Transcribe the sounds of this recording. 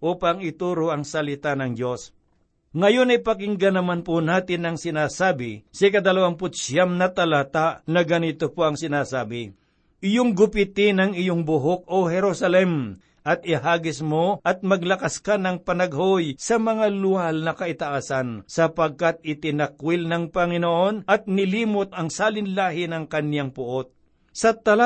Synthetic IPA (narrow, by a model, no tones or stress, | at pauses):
ʔuːpaŋɪt̪uːɾoʔɐŋsɐlɪt̪anɐŋd͡ʒos | ŋɐjonɐjpɐkɪŋɡɐnɐmanponaːt̪ɪnɐŋsɪnaːsaːbɪsɪkɐd̪ɐlɐwanpʊt̪̚sjamnɐt̪ɐlaːt̪aʔnɐɡɐnit̪opoɐŋsɪnaːsaːbɪ | ʔɪjoŋɡʊpɪt̪ɪnɐŋɪjoŋbʊɦok̚ohɛɾosɐlɛm | ʔɐt̪ɪɦaːɡɪsmoʔɐt̪̚mɐɡlɐkaskanɐŋpɐnɐɡɦojsɐmɐŋalʊalnɐkɐʔɪt̪ɐʔaːsansɐpɐɡ̚kat̪̚ɪt̪ɪnɐkwɪlnɐŋpɐŋɪnoʔo̞nʔɐt̪̚nɪliːmot̪̚ɐŋsaːlɪnlaːɦɪnɐŋkɐnjaŋpʊʔot̪̚ | sɐt̪ɐla